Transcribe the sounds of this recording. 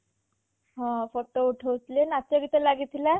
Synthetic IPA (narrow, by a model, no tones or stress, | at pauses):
ɦɔ̃foʈouʈʰəwt̪lenat̪aɡit̪əlaɡit̪ʰila